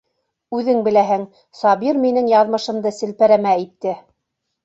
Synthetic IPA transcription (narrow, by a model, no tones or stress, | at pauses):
ʉðɘŋbɘ̆læɦɘŋ | sɑbiɾminɘŋjɑðmɤ̆ʃɤ̆md̪ɤsɘ̆lpæɾæmæit̪ːɘ